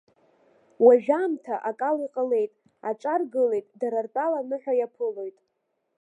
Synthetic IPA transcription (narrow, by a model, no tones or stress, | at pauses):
waʒᶣamtʰaʔakʼaliqʼəle̞jtʼ | at͡ʃʷʼarɡɨle̞jtʼdaɾartʼalanɨħʷᶣajapʰɨlo̞jtʼ